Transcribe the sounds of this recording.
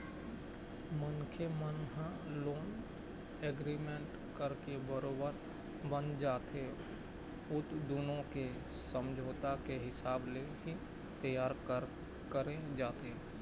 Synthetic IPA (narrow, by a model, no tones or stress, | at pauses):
mʊnkʰemənɦã | loːn | eːɡɾimẽːɳʈ | kəɾkebəɾoːbəɾ | bənd͡ʒaːt̪e | ʊt̪d̪unõke | sə̃md͡ʒʱoːt̪akeɦɪsaːbleɦi | t̪əjaːɾ | kəɾed͡ʒaːt̪e